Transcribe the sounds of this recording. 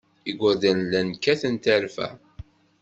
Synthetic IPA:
iɡʷəɾðænlːænkːæθənt̪əɾfæ̰

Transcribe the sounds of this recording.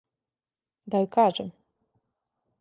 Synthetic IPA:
d̪aikaːʒɛm

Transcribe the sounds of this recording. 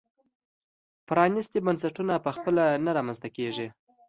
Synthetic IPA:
pɾɑnist̪ibansaʈunapəxpəlanaɾɑmanzt̪akeʐi

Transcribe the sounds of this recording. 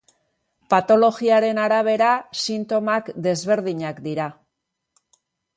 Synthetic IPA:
pat̪o̞lo̞ɣiaɾe̞naɾaβ̞e̞ɾasint̪o̞makd̪e̞zβe̞ɾðiɲakd̪iɾa

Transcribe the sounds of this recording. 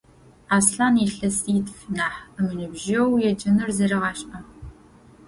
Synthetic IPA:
aːsɬaːniɬɐsiːtʰfnaːħəmɨnɨbʒɐwjɛd͡ʒɐnɨrzɐɾɐʁɑːɕʔɐ

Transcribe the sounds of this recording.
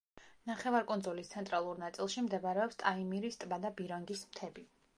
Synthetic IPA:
naχɛvaɾkʼund̪zulist̪sʰɛnt̪ʼɾalˠuɾnat̪sʼilˠʃimd̪ɛvaɾɛɔpst̪ʼaimiɾist̪ʼbad̪abiɾɔŋɡismt̪ʰɛbi

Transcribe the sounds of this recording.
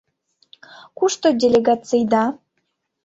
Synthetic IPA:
kuʃt̪odʲelʲeɡɑt͡sɨjd̪ɑ

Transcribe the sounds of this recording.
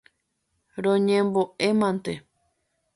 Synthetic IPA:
ɾõɲẽmboʔemãnt̪e

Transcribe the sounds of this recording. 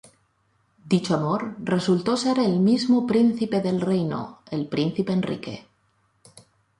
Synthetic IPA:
d̪it͡ʃoamoɾre̞sult̪oseɾelmizmopɾin̟θipeðe̞lrejno̰elpɾin̟θipeːnrḭke̞̰

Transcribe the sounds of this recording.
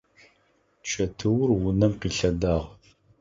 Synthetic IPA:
t͡ʃʰɐtʰɨwʊrwʊnɐmqiːɬɐdaːʁ

